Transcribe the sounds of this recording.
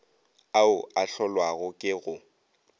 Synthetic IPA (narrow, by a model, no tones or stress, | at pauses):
aʊaɬɔlwaɣʊkʼɪɣʊ